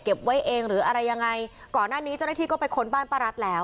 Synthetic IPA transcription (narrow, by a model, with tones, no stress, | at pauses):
ke˨˩p̚wa˦˥jʔeː˧ŋɾɯː˩˦ʔa˧ɾa˧jːa˧ŋːa˧j | kɔː˨˩nːaː˥˩niː˦˥t͡ɕa˥˩naː˥t̪ʰiː˥˩kɔː˥˩pa˧jkʰo˧˥nbaː˥˩npaː˥˩ɾa˦˥t̪̚lɛː˦˥w